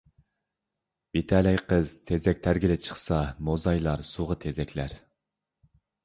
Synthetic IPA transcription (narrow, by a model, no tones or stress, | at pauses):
bit̪ʰɛlɛjqəz̥t̪ʰezɛkʲt̪ʰæɾɡʲilɪt͡ʃʰə̥χsɑmozɑjlˠɑɾsuʁət̪ʰezɛkʲʰlæɾ